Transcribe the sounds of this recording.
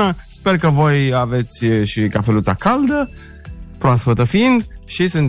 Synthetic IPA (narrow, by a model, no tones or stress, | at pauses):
əspe̞rkəvo̞jave̞t̪sʲʃikafelut̪sakald̪ə | pɾoasfət̪əfind̪ʃisɨn